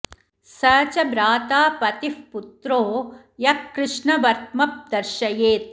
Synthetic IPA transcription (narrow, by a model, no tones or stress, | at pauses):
sɐːt͡ʃɐbɾaːt̪aːpɐt̪ifput̪ɾoː | jɐkːɾɪʂɳɐʋɐɾt̪̚mɐp̚d̪ɐɾʃɐjeːt̪̚